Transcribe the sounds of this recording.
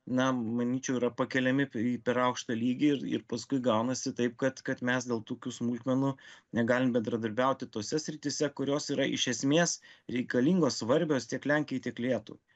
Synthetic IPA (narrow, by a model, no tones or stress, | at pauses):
nɐmɐnʲiːt͡ʃʲɛʊiɾɐpɐkʲɛlʲɛmʲɪiːpʲɛɾɐʊkʃt̪ɑlʲiːɡʲɪɪrɪ̰ɾpɐskʊɪɡɐʊnɐsʲɪt̪ɐɪp̚kɐt̪kɐt̪mʲɛsd̪ʲeːlˠt̪uːkʲuːsmulʲt̪ʲmʲɛnʊnʲɛɡɑːlʲɪmbʲɛnd̪ɾɐd̪ɐɾʲbʲɛʊt̪ʲɪt̪oːsʲɛsʲɾʲɪt̪ʲɪsʲɛkʊɾʲoːsiːɾɐʔɪ̰ʃʲɛsʲmʲeːsɾʲɛɪkɐlʲiŋɡoːssʋɐɾʲbʲoːst̪ʲiɛklʲæŋʲkʲɪjɛt̪ʲiɛklʲeːt̪ṵʋ